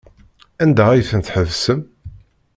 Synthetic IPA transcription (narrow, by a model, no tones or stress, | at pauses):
ænd̪ææjθənt̪ħəvsəm